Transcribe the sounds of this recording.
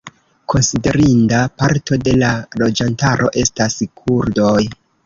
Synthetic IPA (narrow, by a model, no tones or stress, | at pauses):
kʰo̞nside̞ɾindapaɾto̞de̞lalo̞d͡ʒantaɾʔo̞̰ʔe̞staskʰuɾdo̞j